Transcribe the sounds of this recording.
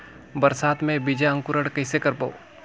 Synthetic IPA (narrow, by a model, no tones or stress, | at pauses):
bɐɾsaːt̪mẽbid͡ʒaə̃ŋkʊɾəɽkɐɪsekɐɾpo̰ː